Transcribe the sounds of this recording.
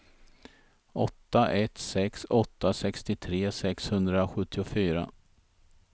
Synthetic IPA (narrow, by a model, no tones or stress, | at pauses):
ɔt̪ːaʔɛt̪sɛksɔt̪ːasɛkst̪ɪt̪ʰɾeːsɛkshɵnd̪ɾaɧɵt̪ːɪʊfyːɾa̰